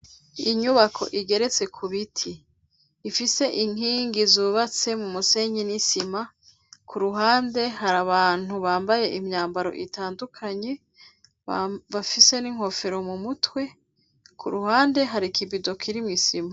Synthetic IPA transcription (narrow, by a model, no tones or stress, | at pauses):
iɲuβakʰo̞̰ʔiɡe̞ɾe̞t͡se̞kʰuβitʰiː | fise̞ʔiŋiːŋɡizuːβat͡se̞mumuse̞ɲinisima | kʰuɾuɦaːnde̞ɦaɾaβaːn̥huβaːmbaje̞ʔimɲaːmbaɾo̞̰ʔitaːndukʰaɲe̞ | βafise̞niŋho̞fe̞ɾo̞mumutwe̞ | kʰuɾuɦaːnde̞ɦaɾikibido̞kʰiɾimŋisima